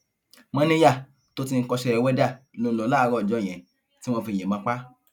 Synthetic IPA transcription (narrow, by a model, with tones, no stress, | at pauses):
mã˦nĩ˦ja˦˨ | to˦ti˧ŋ̩˦kɔ˧ʃɛ˧ɛ˧wɛ˦da˦˨lo˧lo˨˦la˦˧ɾɔ˧˨d͡ʒɔ̃˨˦˨ɛ̃˨ | ti˨˦w̃ɔ̃˧fi˧je˨mã˨˦k͡pa˦